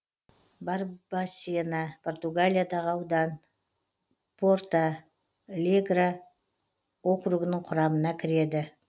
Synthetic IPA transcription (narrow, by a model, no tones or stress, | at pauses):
bɑɾbasinɑpʰo̞rt̪uɡalʲijad̪ɑʁəɑwd̪ɑn | pʰort̪ɑ | lʲeɡra | o̞kɾuɡənəɴqʰʊɾɑmənɑkʲʰɪɾe̞d̪ɪ